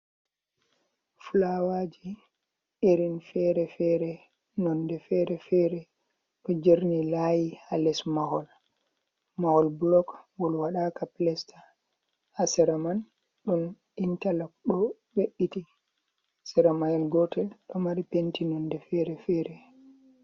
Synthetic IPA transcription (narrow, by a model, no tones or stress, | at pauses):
fulawad͡ʒi | ʔeɾinfɛɾɛfɛɾɛ | nɔndɛfɛɾɛfɛɾɛ | ɗɔd͡ʒeɾnilajihalɛsmahɔl | mahɔlblɔkɡɔlwaɗakaplɛstḁ | hasɛɾaman | ɗun | intalakɗɔ | weɗːiti | sɛɾamajɛlɡɔtɛlɗɔmaɾipentinɔndɛfɛɾɛfɛːɾɛ